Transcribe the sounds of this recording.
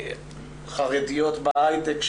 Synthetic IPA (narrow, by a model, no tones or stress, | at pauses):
χaʁedijo̞t̪baʔajdekʃ